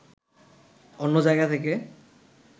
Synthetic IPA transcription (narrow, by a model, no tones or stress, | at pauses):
onːod͡ʑajɡat̪ʰeke